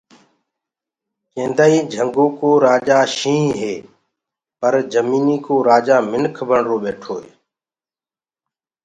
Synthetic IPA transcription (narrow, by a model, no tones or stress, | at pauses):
kẽːnd̪aːiːd͡ʒʱəŋɡoːkoːɾaːd͡ʒaːʃĩːɦeː | pəɾd͡ʒəmiːniːkoːɾaːd͡ʒaːmɪnkʰbʱəɳɾoːɓeːʈʰoːḛː